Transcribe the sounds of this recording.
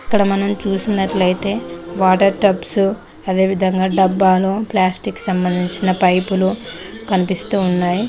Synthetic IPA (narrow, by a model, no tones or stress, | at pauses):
ɐkːɐɽɐmɐnɐmt͡ʃuːsinːɐʈlɐjt̪e̞ːʋaːʈɐɾʈɐpsu | ɐd̪e̞ːʋid̪ʱɐŋɡaːɖɐbːaːloːplaːsʈikːsɐmbɐnd̪ʱiɲt͡ʃinɐpɐjpulu | kɐnipist̪uːnːaːji